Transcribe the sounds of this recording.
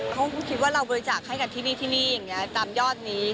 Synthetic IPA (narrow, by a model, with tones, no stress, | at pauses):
kʰa˦˥wkkʰi˦˥t̪̚waː˥˩ɾa˧wbɔː˧ɾi˧t͡ɕaː˨˩k̚ha˥˩jka˧nt̪ʰiː˥˩niː˥˩t̪ʰiː˥˩niː˥˩ja˨˩ŋni˦˥ɐt̪aː˧mjɔː˥˩t̪̚niː˦˥